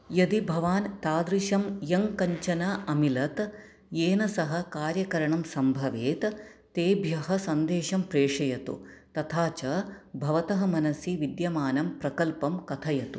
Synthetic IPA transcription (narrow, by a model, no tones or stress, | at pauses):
jɐd̪ibʱɐʋaːnt̪aːd̪ɾiʃɐmjɐŋkɐɲt͡ʃɐnɐɐmilɐt̪ | jeːnɐsɐɦɐ̆kaːɾjɐkɐɾɐɳɐmsɐmbʱɐʋeːt̪t̪eːbʱjɐɦɐsɐnd̪eːʃɐmpɾeːʂɐjɐt̪ṵt̪ɐt̪ʰaːt͡ʃɐbʱɐʋɐt̪ɐɦɐ̆mɐnɐsiʋid̪jɐmaːnɐmpɾɐkɐlpɐmkɐt̪ʰɐjɐt̪u